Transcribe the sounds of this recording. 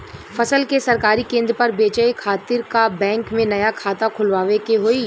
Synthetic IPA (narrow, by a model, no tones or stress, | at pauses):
fɐsəlkesɐɾkaːɾikẽːnd̪ɾəpɐɾbeːt͡ʃəekʰaːt̪ɪɾkabɛ̃ːŋkmẽnɐjakʰaːt̪akʰʊlʋaːʋekeɦoːiː